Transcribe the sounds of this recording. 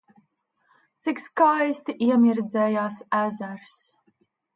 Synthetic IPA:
t̪sikskajst̪iʔiɛmiɾd̪zɛːjaːsæzæɾs

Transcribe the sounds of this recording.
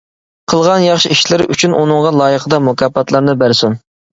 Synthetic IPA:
qʰəlˠʁɑnjɑχʃiiʃlɪɾɪʔy̰t͡ʃʰynʔṵnɨŋʁɑlˠɑːjəqʰəd̪ɑmukʰʲɑːpɑt̪lˠɑɾnɨbæɾsun

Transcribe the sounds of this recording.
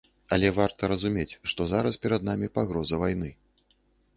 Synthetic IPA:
ɐlʲɛvart̪ɐɾɐzumʲet͡sʲʂt̪ɔzaɾɐspʲɛɾɐd̪̚namʲipaɣɾɔzɐvajnɨ

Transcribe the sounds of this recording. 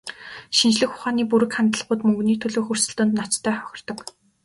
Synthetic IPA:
ʃint͡ɕɮɘ̆xʊχaːniːp̬uɾɘ̆kχant̪ə̆ɮʁʊːt̪mɵŋɡniːt̪ʰɵɮɵːxɵrsɵ̆ɬt̪ɵ̆nt̪nat͡ɕt̪ʰːæːχœxʲɪ̆r̥t̪ɞ̆k

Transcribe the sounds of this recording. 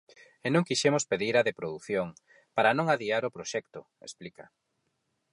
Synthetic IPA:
enõŋkiʃɛmospeðiɾɐðepɾoðuθjoŋ | paɾanõŋaðiaɾopɾoʃɛkt̪ʊ | ḛsplikɐ̰

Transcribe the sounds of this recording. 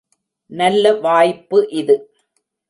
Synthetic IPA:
nɐlːɐʋaːjpːɯʔɪðɯ

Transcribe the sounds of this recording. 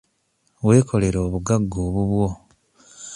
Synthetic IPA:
we̞ːkʰo̞le̞ɾoːβuɡaɡːo̞ːβuβwo̞

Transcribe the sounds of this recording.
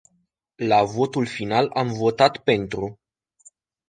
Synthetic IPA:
lavo̞t̪ulfinalamvo̞t̪at̪pe̞nt̪ɾu

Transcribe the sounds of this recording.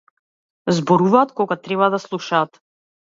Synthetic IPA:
zbɔɾuvaːt̪kɔɡat̪ɾɛβad̪aslˠuʃaːt̪

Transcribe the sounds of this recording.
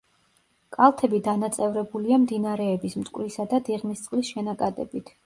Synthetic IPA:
kʼalˠt̪ʰɛbid̪anat̪sʼɛvɾɛbuliamd̪inaɾɛːbismt̪ʼkʼvɾisad̪ad̪iʁmist̪sʼqʼlisʃɛnakʼad̪ɛ̰bit̪ʰ

